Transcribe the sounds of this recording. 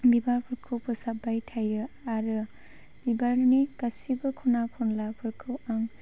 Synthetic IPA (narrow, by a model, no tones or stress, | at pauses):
bibaɾpʰɯɾkʰɯwpʰɯsabajtʰajɯaɾɯ | b̥ibaɾnikasibɐkʰunakʰɔnlapʰɯɾkʰɯwaŋ